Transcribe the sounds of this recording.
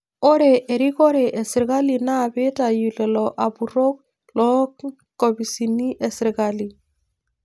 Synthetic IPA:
o˦ɾɛ˨ʔe˨ɾi˦ko˦ɾɛ˨ʔɛ˨si˨ɾɡa˦lina˦˨be˦ta˨julɛ˨lɔʔa˨buɾo˦k̚ | lɔ˦k | kɔ˨bi˨sini˦ʔɛ˨siɾɡali

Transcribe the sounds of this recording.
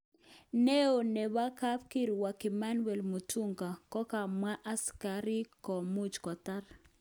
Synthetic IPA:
ne˦o˨ne˨wa˦ka˦pki˦ɾwa˨kɪ˨ma˦nwɛ˨lmo˨tu˦ŋɡa˨kɔ˦ka˨mwa˦ʔa˦skaɾɪ˦kɔ˨mu˦t͡ʃkɔ˨ta˦r

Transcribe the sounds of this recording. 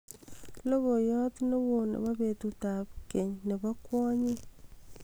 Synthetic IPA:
lo˦βo˨jo˦ti˦no˦βo˨nḛ˨βa˦βetuta˨βkeɲne˨βa˦kwɔ˦ɲi˦

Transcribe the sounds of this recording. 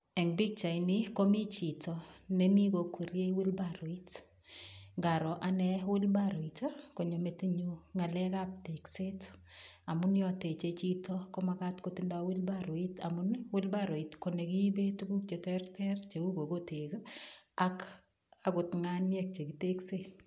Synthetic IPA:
ɛ˨ŋbi˦k̚t͡ʃa˨ini˦ko˦mi˦t͡ʃi˨tɔne˦ni˦ko˨kʰu˨ɾje˦iwi˦lbaɾo˨it | ŋɡa˨ɾɔ˨ʔanɛwɪ˦lbaɾo˨ita˦ko˨ɲo˨me˨ti˦ɲuŋa˨lɛ˦ka˦p̚te˨kse˦ta˨munjɔ˨te˨t͡ʃet͡ʃi˦tɔko˦ma˦ka˦tkoti˦nda˦wɪ˦lbaɾo˨i˦ta̰˨munwɪ˦lbaɾo˨i˨tko˨ne˨ki˦be˦tu˦ɡu˦k̚t͡ʃe˨tɛrtʰɛrt͡ʃe˨u˦ɡo˨ɡote˨ka˦k | a˨kʊtŋanjɛ˦k̚t͡ʃe˨kite˦kse˦

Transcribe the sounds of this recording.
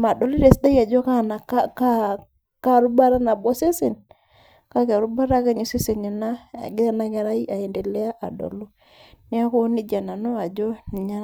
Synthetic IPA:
ma˨dɔ˨lɾe˨sda˦i˦a˨d͡ʒɔ˦ka˦˨na˨kka˦ | ka˦˨ɾu˦ba˦ɾa˦na˨bɔ˦se˦se˨n | ka˦ka˨ɾu˦ba˦ɾa˦ka˦ɲi˨se˦se˨ɲa˨na̰˦˨ɡɪ˦a˦na˦kɛ˨ɾa˦i˦a˨e˨nde˨lɛ˦a˦ʔa̰˨dɔ̰˨lu˦ | nɪ˦a˦ko˦nɪ˦d͡ʒa˨na˨no˦a˨d͡ʒɔ˦ni˨ɲa˦

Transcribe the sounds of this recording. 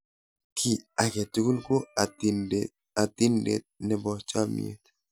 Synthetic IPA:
kʰi˨a˨ke˨tu˦ku˦lko˦˨ | a˨t̪ɪ˦ndḛ˦t̪̚nɛ˨bɔ˨t͡ʃa˦mḭḛ˨t̪

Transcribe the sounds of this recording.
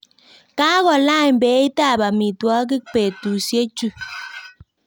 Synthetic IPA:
ka˦ɣɔ˨la˦˨jbe˨˦i˦ta˦˨ba˨mi˨twɔ˦ɡi˦k̚pe˨tu˨sje˦t͡ʃu˦˨

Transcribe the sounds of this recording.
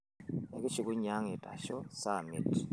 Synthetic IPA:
e˦k̬ʼi˦t͡ʃi˨k̬ʼu˦ɲa˦ŋi˨tʼa̰˨ʃɔ˦sa˦˨mḭ˨tʰ

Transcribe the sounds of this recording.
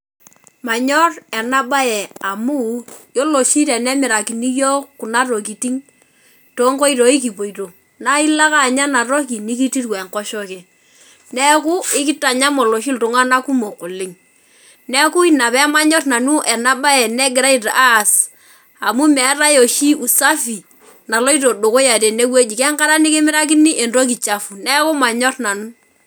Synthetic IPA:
ma˨ɲɔ˦rɛ˨na˦ba˦jɛ˨a˨mu˦jɔ˦lo˨ʃi˦ɾɛ˨nɛ˦mɪ˨ɾa˨ki˨ni˦jo˦ku˨na˦ɾo˨k̬i˨ti˦ŋ | to˦ŋko˦i˦ɾo˨i˦k̬i˨po˨i˨ɾo˨ | na˦i˦la˦ka˦˨ɲa˦na˨ɾo˦k̬i˨ni˦ki˦ti˦rwɛ˨ŋkɔ˦ʃɔ˦kɛ˨ | nɛ˦ku˦ɪ˦kɪ˦ta˨ɲa˦mo˨lo˨ʃ̬i˦ltʊ˨ŋa˦na˦ku˦mo˨kʊ˨lɪ˦ŋ | nɛ˦ku˦i˦na˨pɛ˦ma˦ɲɔ˦tna˨nu˦ʔɛ˨na˦ba˦ɛ˨nɛ˦ɡɪ˨ɾa˦i˨ta˨ʔaː˦˨s | a˨mu˦mɛ˨˦ɾa˦jo˨ʃi˦u˨sa˦fi˨ | na˨lo˦i˦t̬o˨do˨ko˦ja˨te˨ne˦we˦d͡ʒi˨kɛ˦ŋka˦ɾa˦ni˦kɪ˦mɪ˦ɾa˦k̬ɪ˦ni˦ʔe˨ndo˦k̬i˨t͡ʃa˦fu˨nɛ˦kʊ˦ma˨ɲɔ˦tna˨nu˦

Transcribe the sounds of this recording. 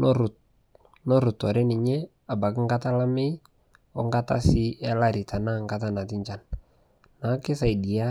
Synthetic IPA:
nɔ˦ɾʊ˨t | nɔ˦ɾʊ˨tɔ˨ɾɪ˦nɪ˨ɲɛ˦ | a˨ba˨kɪ˦ŋɡa˦ta˦la˦mɪ˦ | ɔ˦ŋɡa˦ta̰˦sɪ˦ɛ˦la˦ɾɪ˨tʰa˨na˦ŋɡa˦ta˦na˨tɪ˦ɲt͡ʃa˦n | na˨˦kɪ˦sa˨i˨di˨a˦

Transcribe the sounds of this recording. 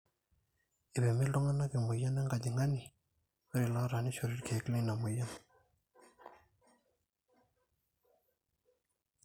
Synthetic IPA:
ʔe˨pɛ˨mi˥˨ɬo˥ŋa˨na˥˨ki˨mu˩˨ja˥˨na˨ŋɡa˩˨d̪i˨ŋa˥˨ni˨ | a˥ɾi˨la˥˨ɾa˩˨ni˨t͡ɕʰo˥˨ɾi˩˨kʰɛː˨kle˥˨ŋna˨mu˨ja˦n

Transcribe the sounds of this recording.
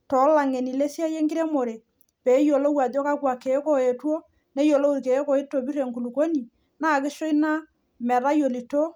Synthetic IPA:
tɔ˨˦la˨ŋe˨ni˨le˦si˦a˦je˦ŋɡɪ˦ɾɛ˦mo˨ɾe˨ | pe˨˦jo˨lo˦wa˨do˦ka˦kwa˨ke˨˦ko˨e˨two˦ | nɛ˦jo˨lo˦u˦ɾke˨˦ko˨i˦tːo˨bi˦ɾe˨ŋku˨lu˨ko˦ni˨ | naː˦˨kɪ˦ʃo˦i˦na˦ | mɛ˨ɾa˦jo˨li˨to˦

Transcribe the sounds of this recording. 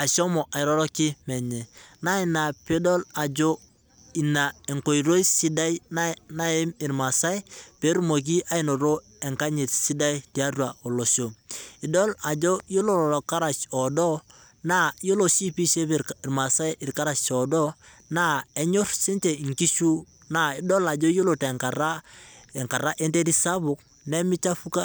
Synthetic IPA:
a˨so˦mɔ˨ʔa˨ɪ˨ɾɔ˦ɾɔ˦ki˦mɛ˨ɲɛ˨na˦i˨na˨pe˦do˦la˨d͡ʒo˦ | i˨na˨e˨ŋko˨i˨ɾo˦i˦si˦da˦i˦na˦na˦e˦mi˨ɾma˨sa˦i˦pe˨˦ɾu˦mo˨k̬i˦ʔa˦i˨no˨ɾo˦ | e˨ŋka˦ɲi˨tsi˦da˦i˦ti˨a˦ɾu˦a˨o˨lo˨so˨i˨dɔ˦la˨d͡ʒo˦jo˦lo˨ɾɔ˨ɾɔ˨ka˦ɾa˨t͡ʃɔ˨dɔ˦ | na˦˨jo˦lo˨si˦pi˦ʃe˦pɾma˨sa˦ɪ˨rka˦ɾa˨t͡ʃɔ˨dɔ˦ | na˦˨ɛ˦ɲo˦rsi˦nt͡ʃe˨ŋki˦ʃu˦ | na˦˨i˨dɔ˦la˨d͡ʒo˦jo˦lo˨te˨ŋka˨ɾa˦ɛ˨ŋka˨ɾa˦ʔe˦nte˦ɾi˦sa˦bʊ˨k̚ | nɛ˦mɪ˦t͡ʃa˦fu˦ka˦

